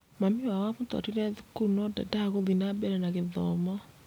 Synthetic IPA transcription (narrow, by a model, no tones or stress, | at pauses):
mamiwawaβuta̰tiɾɛðukuunɔda̰daɣoðinabɛɾɛnaɣeðɔːmɔ